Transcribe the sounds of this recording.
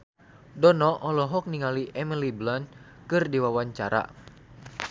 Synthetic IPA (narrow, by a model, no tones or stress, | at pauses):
dɔnɔʔɔlɔɦɔk̚niŋaliʔɛmiliblan̚ | kɨrdiwawaɲt͡ʃaɾa̰